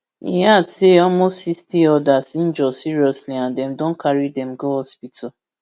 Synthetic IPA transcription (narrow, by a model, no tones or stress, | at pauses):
ḭɦaseɔmosistiɔdasin̩d͡ʒɔsiɾiɔsliãndɛ̃mdõn̩kaɾidɛmɡohɔspitʰa